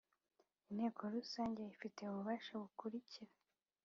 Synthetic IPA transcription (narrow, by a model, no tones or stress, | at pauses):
inhe̞ːkʰo̞ɾusaːɲɟeifite̞uβuβaːʃaβukuɾiciɾa